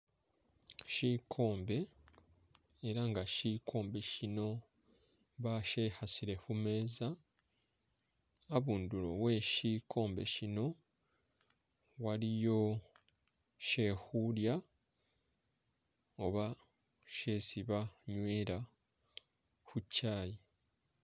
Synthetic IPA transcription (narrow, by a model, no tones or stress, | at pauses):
ʃiːkʰo̞ːmbe̞ | eɾaŋɡaʃikʰo̞ːmbe̞ʃino̞ | βaʃehasiɾe̞hume̞ːza | aβuːndulo̞̰we̞ʃiːkʰo̞ːmbe̞̰ʃino̞ | walijo̞ | ʃe̞ːhulja | oβa | ʃe̞ːsiβaɲwe̞ːɾa | xucːaːji